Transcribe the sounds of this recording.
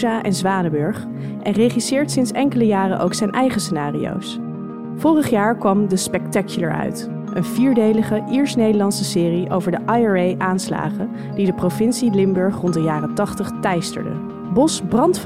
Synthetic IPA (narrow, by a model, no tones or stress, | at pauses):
aʔɛnzʋaːnəbɵɹχ | ʔɛnreχisɪːɹtsɪnsɛŋkələjaːrənʔo̰wksɛjnʔɛjχəsənaːrḭo̰ws | fʊːrəχjaːɹkʋɑmdəspɛk̚takʰjylə̰ɹœ̰ɥt | ʔənv̥iːɹdejləχəʔiɹsnejdəɹlɑnsəsɪːriʔo̰wvəɹdəʔajɛɹejʔaːnsla̰ːχə | didəprowfɪnsilɪmbɵɹχrɔnddəjaːrəntɑχtəχtɛjstə̰ɹdə̰ | bɔsbrɑntf